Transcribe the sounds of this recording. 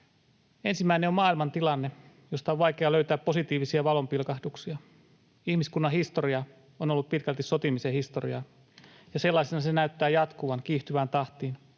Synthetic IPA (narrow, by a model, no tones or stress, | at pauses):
e̞nsimːæineo̞mmɑːilmɑnt̪ilɑnːe | jo̞st̪ɑoʋʋɑjk̟eɑløyt̪æːpːo̞sit̪iːʋisiɑʋɑlo̞mpilkɑhduksiɑ | ihmiskunːɑhist̪o̞ɾiɑ | onolːuppit̪kælt̪iso̞t̪imisehist̪o̞rḭɑ | jɑse̞lːɑjsenɑsenæyt̪ːæːjɑt̪kuʋɑnkiːht̪yʋæːnt̪ɑht̪iːn